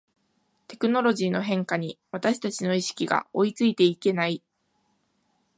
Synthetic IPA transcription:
t̪e̞̥kɯ̟no̞ɾo̞ʑiːno̞ɦẽ̞ŋkaɲ̟iβat̪aɕi̥t̪at͡ɕino̞iɕi̥kʲiɡa̰o̞it͡sɨit̪e̞ike̞nai

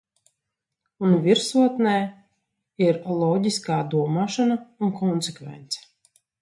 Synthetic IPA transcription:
unvʲiɾsuɔt̪nɛː | iɾlˠɔɟiskaːd̪uɔmaːʃanaunkɔnsekvɛ̰nt̪sɛ̥

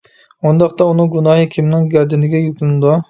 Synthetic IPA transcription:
und̪ɑqt̪ɑunɨŋɡunɑːɦɨkʲʰimnɪŋɡʲɛɾd̪ɪnɪɡʲɛjuk̪ʰlɪnɪd̪ɑ

